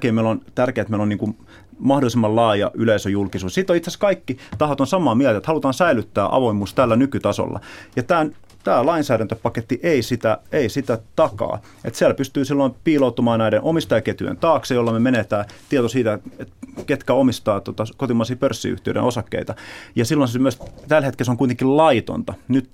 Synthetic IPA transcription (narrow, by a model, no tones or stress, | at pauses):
keimeilːont̪ærkeːet̪meiloniːŋkum | mɑhdolisemːɑllɑːjɑ̰ʔyleisøjulkisuːssit̪ːoit̪seskɑikːit̪ɑhot̪onsɑmˑɑːmielt̪æet̪hɑlut̪ɑːnsæilyt̪ːæːʔɑ̰ʋoimuːst̪ælːænykyt̪ɑso̰lːɑ̰jɑt̪æːn | t̪æːlɑinsæːɾænt̪øpɑket̪ːiʔeisit̪æeisit̪æt̪ɑkɑ̰ː | ḛt̪siælpyst̪yːsilːoimpiːlout̪ːumɑːnnæidenʔomist̪ɑjɑket̪y̰ḛnt̪ɑːksejolːɑmemenet̪æːt̪iet̪osiːt̪æet̪ket̪kæomist̪ɑːt̪ot̪ɑkot̪imɑːsiːpørsːḭy̰ht̪iø̰ɾḛnosɑkːḛit̪ɑjɑsilːonsemyøst̪ælhet̪kelseoŋkuit̪eŋkillɑit̪o̰nt̪ɑnyt̪